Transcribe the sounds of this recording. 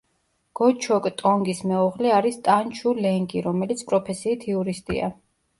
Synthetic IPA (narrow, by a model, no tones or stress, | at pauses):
ɡ̥ɔt͡ʃʰɔkʼt̪ʼɔŋɡismɛuʁliaɾist̪ʼant͡ʃʰulɛŋɡiɾɔmɛlit̪sʰpʼɾɔpʰɛsiːt̪ʰiuɾist̪ʼḭa̰